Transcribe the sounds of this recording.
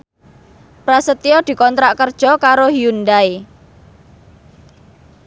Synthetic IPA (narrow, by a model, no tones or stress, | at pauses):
pɾasət̪iɔd̪̥i̤kɔnt̪ɾaʔkərd̥ʒ̥ɔ̤kaɾohiund̪ae